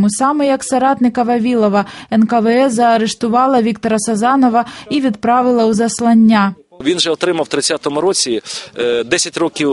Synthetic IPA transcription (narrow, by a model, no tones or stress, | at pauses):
musɑmɛjɐksɐɾɑt̪nɪkɐʋɐʋʲilˠɔʋɐɛnkɐʋɛɛzɐːɾɛʂt̪ʊʋɑlˠɐʋʲikt̪ɔɾɐsɐzɑnɔʋɐiʋʲid̪pɾaʋɨlˠɐwzɐslˠɐnʲːa | ʋʲinʒɛɔt̪ɾɪmɐwt̪ɾɪt͡sʲːat̪ɔmʊɾɔt͡sʲid̪ɛsʲɐtʲɾɔkʲiw